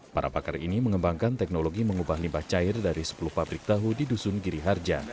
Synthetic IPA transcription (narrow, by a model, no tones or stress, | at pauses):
paɾʔa̰pakarḭniməŋəmbaŋkant̪ɛk̚noloɡiməŋubahlimbaht͡ʃaɪrdaɾisə̥puluhpabɾɪk̚t̪aɦudidusʊnɡiɾiɦard͡ʒa